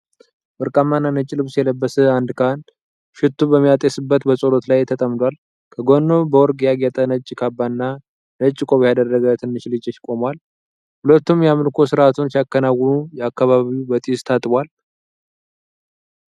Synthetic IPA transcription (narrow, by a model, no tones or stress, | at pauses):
wɨɾkʼamːanːanət͡ʃʼːlɨβsjɛləbːəsəand̪kʰan | ʃɪt̪ːubəmːijat̪ʼjesɨbːət̪bəsʼo̞lo̞t̪lajt̪ʰət̪ʼəmd̪ʷal | kʰəɡonːo̞bəwɔɾɡjaɡjat̪ʼənət͡ʃʼːkʰabːanːa | nət͡ʃʼːɪkʼo̞βjad̪ərːəɡət̪ʰɨnːɨʃlɨd͡ʒəʃɪ̥kʼo̞mwal | hulət̪ːumjamɨlkʰo̞sɨɾat̪ʰunsijakːənawːənujɛakːaβaβiubət̪ʼist̪ʰat̪ʼbʷwal